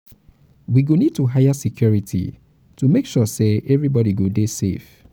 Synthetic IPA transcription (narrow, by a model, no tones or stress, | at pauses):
wiɡonid̚tuɦajasikʰjɔɹitʰḭ | tumekʃɔseʔɛvɹibɔɾiɡodesḛf